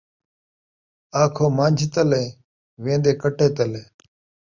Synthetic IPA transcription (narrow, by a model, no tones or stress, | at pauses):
aːkʰoːmãːnʲd͡ʒʱit̪əlẽː | ʋẽːnd̪eːkəʈeːt̪əleː